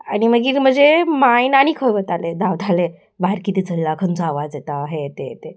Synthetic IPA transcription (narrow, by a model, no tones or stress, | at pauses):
añim̤əɡiːɾm̤əd͡zemajnañikʰəjʋət̪aled̪aʋd̪ʱale | baiɾkit̪iːt͡səllakʰənt͡sɔaʋad͡zjet̪aɦet̪et̪e